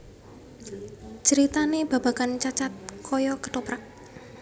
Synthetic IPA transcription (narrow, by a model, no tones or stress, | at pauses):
t͡ʃəɾit̪aneb̥a̤ba̤kant͡ʃat͡ʃat̪̚kʰɔjɔkət̪opɾak̚